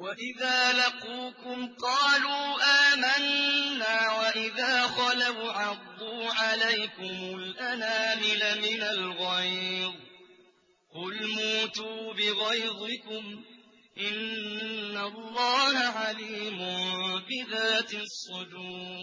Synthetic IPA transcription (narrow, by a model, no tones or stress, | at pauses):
waʔɪðaːlɑquːkʊmqɑːluːʔaːmanːaːwaʔɪðaːxɑlawʕɑdd̪ˤːuːʕalajkʊmʊlʔanaːmɪlamɪnalɣɑjd̪ˤ | qʊlmuːt̪uːbɪɣɑjd̪ˤɪkʊm | ʔɪnː | alˤːɑːhaʕaliːmʊnbɪðaːt̪sˤːʊd͡ʒuː